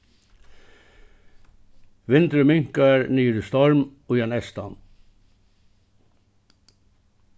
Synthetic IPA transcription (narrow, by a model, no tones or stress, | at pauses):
ʋɪnt̪ɾəmʏŋkɑɹnyːɾəst̪ɔɹmoːjɑnɛst̪ɑn